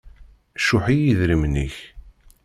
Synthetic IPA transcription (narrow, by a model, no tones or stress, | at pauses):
ʃʊħijiðɾimniç